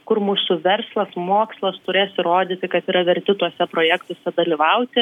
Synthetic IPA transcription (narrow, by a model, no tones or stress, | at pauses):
kʊrmuːsʊʋʲɛrslˠɐsmoːkslˠɐst̪ʊɾʲeːsɪɾoːd̪ʲiːt̪ʲɪkɐt̪iːɾɐʋʲɛɾʲt̪ʲɪt̪uɔsʲɛpɾoːjɛkt̪oːsʲɛd̪ɐlʲiːʋɐʊt̪ʲɪ